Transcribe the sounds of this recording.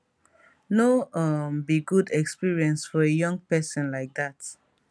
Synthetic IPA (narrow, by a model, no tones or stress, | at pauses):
noʌmbiɡudɛkspiɹiɛ̃nsfɔejʌ̃ŋɡpɛsə̃nlaɪk̚dat